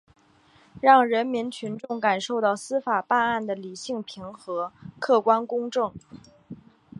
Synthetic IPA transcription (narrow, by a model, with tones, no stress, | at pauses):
ɻɑ˥˩ŋɻə˧˥nmi˧˥nt͡ɕʰy˧˥nʈ͡ʂʊ˥˩ŋka˨˩nʂo˥˧ʊt̪ɑ˥˩ʊsɹ̩˥fa˨˩pa˥˧na˥˩nd̪ə˩li˨˩ɕi˥˩ŋpʰi˧˥ŋxɤ˧˥kʰɤ˥˩kwa˥nkʊ˥ŋʈ͡ʂɤ˥˩ŋ